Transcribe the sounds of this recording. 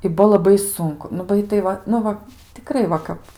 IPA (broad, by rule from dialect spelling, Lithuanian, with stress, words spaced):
ɪ ˈbuɔ lˠɐˈbɐɪ ˈsʊŋkʊ nʊ ˈbɐɪ tɐɪ ˈʋɐ ˈnʊ ʋɐ tʲɪˈkrɐɪ ˈʋɐ kɐp